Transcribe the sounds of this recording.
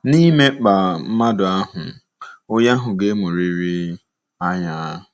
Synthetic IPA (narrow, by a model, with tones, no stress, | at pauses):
ni˦me˦k͡pa˨m̩˦ma˦dʊ˨a˦ɦʊ˨ | ʊ˦ja˦ɦʊ˨ɡe˦mu˨ɾi˨ɾi˦ | a˦ɲa˦˨